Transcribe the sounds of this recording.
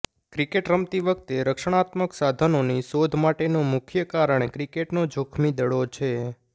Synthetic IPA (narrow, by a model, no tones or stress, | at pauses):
kɾikeʈɾəmt̪iʋək̚t̪eɾəkʃəɽ̃at̪məksad̪ʱənoniʃod̪ʱmaʈenomʊkʰjəkaɾəɳ̃ekɾikeʈnod͡ʒʱokʰmid̪əɽot͡ʃʰe